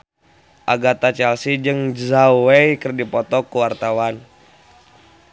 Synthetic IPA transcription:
ʔaɡat̪at͡ʃɛlsid͡ʒɨŋzawɛjkərdipɔt̪ɔkuwart̪awan

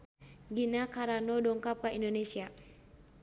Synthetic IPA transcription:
ɡinakaɾanɔdɔŋkap̚kaindonesia

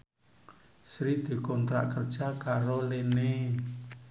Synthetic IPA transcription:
sɾid̪̥i̤kɔnt̪ɾa̰ʔkərd̥ʒ̥a̤kaɾolene

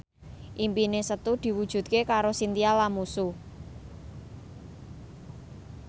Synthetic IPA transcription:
ʔimpinesət̪ud̪̥i̤wud̥ʒ̥ṳt̪̚kekaɾosint̪ialamusu

